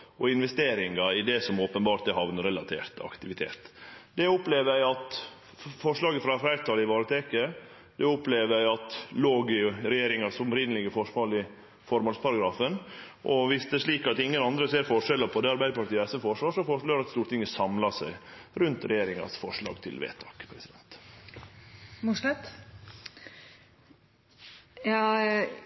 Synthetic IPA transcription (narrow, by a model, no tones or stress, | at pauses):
ɔɪnʋɛst̪eːɾɪŋɑɪd̪ɛsɔmoːpənbɑːɾʈ̪d̪ɛhɑʋnəɾɛlɑt̪ʰḛːɾt̪ɑ̰kt̪ɪʋɪt̪ʰḛːt̪d̪ɛɔpleːʋəjæɪɑt̪ | fɔʂɭɑːɡəfɾɑfɾæɪt̪ʰɑlɪʋɑːɾət̪ʰeːkə | d̪̥ɛʊpleːʋəæɪɑt̪loːɡɪɾɛjeːɾɪŋɑsɔmɾɪnəlɪɡəfɔʂmoːlɪ | fɔɾmɑlspʰɑɾɑɡɾɑːfən | ʔɔʋɪsd̪ɛɛʂɭiːkɑt̪ɪŋːənɑnd̪ɾəseːɾfɔʂɛlːəɾpʰɔd̪ɛɑɾbæɪd̪əpʰɑɾʈt̪iəɛsəfɔʂʋɑːʂɔfɔʂɭɑːɾɑt̪st̪uːʈ̪t̪ɪŋːəsɑmlɑsæɪɾʉnt̪ɾɛjeːɾɪŋɑ̰sfɔʂɭɑ̰ːɡt̪ʰɪ̰lʋḛːt̪ʰɑːkpʰɾɛsɪd̪ɛ̰nt̪ | mʊʂɛt̪ | ɑ